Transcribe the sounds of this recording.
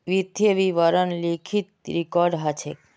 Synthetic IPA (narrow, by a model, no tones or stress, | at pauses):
ʋid̪ʱjəʋiʋəɾənlikʰit̪̚ɾikɔɾɖɦat͡ʃʰek